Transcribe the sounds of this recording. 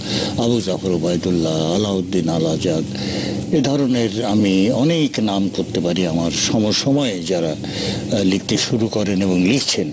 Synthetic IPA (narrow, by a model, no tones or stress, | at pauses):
abuzafoɾobajt̪ulːaalaod̪ːinalad͡ʑad̪ | ed̪ʱɔɾoneɾamiɔneknamkoɾt̪epaɾiamaɾʃɔmoɾʃɔmɔed͡ʑaɾa | lik̚ʰt̪eʃuɾukɔɾeneboŋlikʰt͡ɕʰen